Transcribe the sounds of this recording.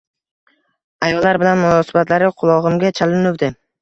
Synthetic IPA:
ajɒlːaɾbɪlanmʊnɒsɪbat̪laɾɪqʰʊlˠɒʁɨmɡʲat͡ʃʰalɪnʊwd̪ɪ

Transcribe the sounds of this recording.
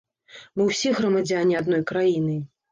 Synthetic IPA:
mɨwsʲiɣɾɐmad͡zʲanʲiad̪nɔjkɾajinɨ

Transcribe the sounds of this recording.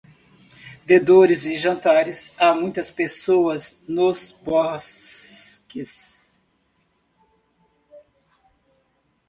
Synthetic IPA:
d̪ed̪oɾɪzɪʒɐ̃nt̪aɾɪsamũj̃t̪ɐspesowɐznozbɔs | kɪs

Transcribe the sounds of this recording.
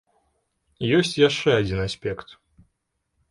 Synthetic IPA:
josʲt͡sʲjaʂt͡ʂːɛɐd͡zʲinasʲpʲekt̪

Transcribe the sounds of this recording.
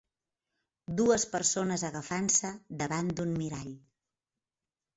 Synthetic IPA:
d̪uəspəɾsonəzəɣəfansəðəβand̪unmiɾaʎ

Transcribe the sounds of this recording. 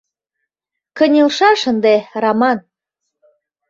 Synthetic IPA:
kə̆nʲelʃɑʃə̆nd̪erɑmɑn

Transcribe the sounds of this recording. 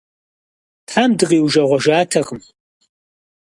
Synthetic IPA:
tʰaːmdɨʁiːwʒɐʁʷɔʒaːtʰɐχəm

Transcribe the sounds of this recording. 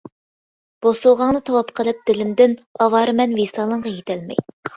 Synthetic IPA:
b̥osulˠʁɑŋnɨt̪ʰɑwɑpqʰəlˠɨp̚d̪̥ɪlɪmd̪ɪnɑwɑːɾɨmɛnvesɑːlˠəɴʁɑjet̪ʰɛlmɛ̰j

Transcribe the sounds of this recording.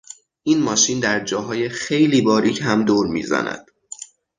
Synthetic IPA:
ʔiːnmɒːʃiːnd̪æɾd͡ʒɒːɦɒːjexe̞jliːbɒːɾiːcʰɦæmd̪oːɾmḭːzæ̰næ̰d̪̥

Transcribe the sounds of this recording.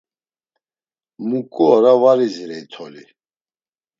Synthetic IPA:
mukʼuɔɾavaɾiziɾɛit̪ʰɔli

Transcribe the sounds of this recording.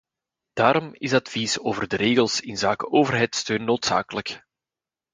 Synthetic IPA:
d̥aːɾɔmɪsɑtfisoːvərdəɾeːɣəlˠsɪnzaːkəʔoːvərɦɛjtstøːnːoːtsa̰ːkələk

